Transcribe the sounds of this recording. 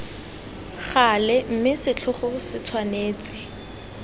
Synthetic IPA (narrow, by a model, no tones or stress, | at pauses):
χalɛm̩mɪsɪt͡ɬʰʊχʊsɪt͡sʰwaneːt͡sʼɪ